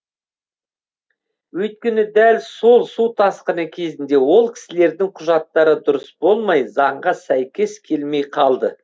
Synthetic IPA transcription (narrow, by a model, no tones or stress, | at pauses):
wɵjt̪̚kʲe̞nɪd̪ælso̞lˠsut̪ʰɑsqənəkʲʰe̞zɪnd̪e̞wo̞lˠkʲʰɪ̥sɪle̞ɾd̪ɪŋqʰʊʒɑt̪ːɑɾəd̪ʊɾəsb̥o̞lˠmɑjzɑɴʁɑsæjkʲe̞skʲʰe̞lme̞jqʰɑlˠd̪ə